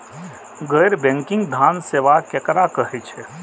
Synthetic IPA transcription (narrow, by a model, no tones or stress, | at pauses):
ɡəjɾbɛ̃ŋkɪ̃ŋɡd̪ʱaːnseːʋakekɾakəɦɛt͡ʃʰɛ